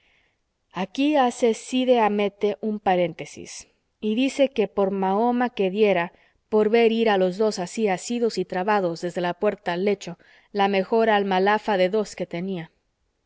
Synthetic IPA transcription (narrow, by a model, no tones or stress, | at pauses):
akiase̞siðe̞ame̞t̪e̞ʔumpaɾe̞nt̪e̞sḭs | iðise̞ke̞po̞ɾmao̞make̞ðje̞ɾa | po̞ɾβe̞ɾiɾalo̞zðo̞sasiasiðo̞sit̪ɾaβað̞o̞zðe̞zðelapwe̞ɾt̪alːe̞t͡ʃo̞ | lame̞xo̞ɾaːlmalafaðe̞ðo̞ske̞t̪e̞nia